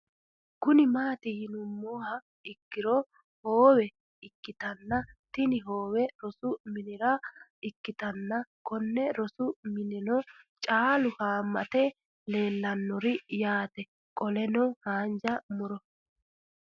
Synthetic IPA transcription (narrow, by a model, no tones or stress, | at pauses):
kʊnɪmaːt̪ɪɪnʊmːoːhɐ | ɪkːɪɾɔ | hoːwɛ | ɪkːɪt̪ɐnːɐt̪ɪnɪɦoːwɛɾɔsʊmɪnɪɾɐɪkːɪt̪ɐnːɐkɔnːɛɾɔsʊmɪnɪnɔ | t͡ʃʼaːlʊhaːmːɐ̰t̪ɛ | le̞ːlːɐnːɔɾɪjaːt̪ɛ | kʼɔlɛnɔhaːnd͡ʒɐmʊɾɔ